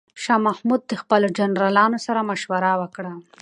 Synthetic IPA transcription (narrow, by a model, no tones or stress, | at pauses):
ʃɑmahmud̪̚d̪əxpəlod͡ʒanɾɑlɑnosaɾamaʃwaɾawəkɽa